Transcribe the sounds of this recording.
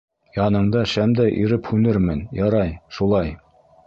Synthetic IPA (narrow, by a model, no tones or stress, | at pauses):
jɑnɤ̆ɴd̪ɑʃæmd̪æjʔiɾɘphʉnɘɾmɘnjɑɾɑjʃulˠɑj